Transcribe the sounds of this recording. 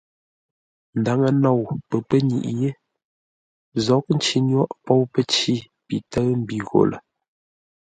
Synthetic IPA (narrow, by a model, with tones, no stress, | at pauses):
n̩˨da˨˦ŋə˨nɔ˦˨wpə˨pə˦ɲḭ˨ʔje˦ | zɔ˨˦k̚n̩˦t͡ʃi˨ɲwɔ˦ʔpɔ˦wpə˦t͡ʃi˦ | pi˨tə˦m̩˦bi˨ɣo̰˨lə̰˨